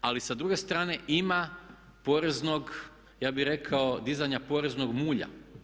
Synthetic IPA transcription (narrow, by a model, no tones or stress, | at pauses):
alisad̪ɾuɡe̞st̪ɾaːne̞ʔima | po̞ːɾe̞zno̞ɡ | jaːbiɾe̞kʰaod̪izaɲapo̞ːɾe̞zno̞ɡmuːʎa̰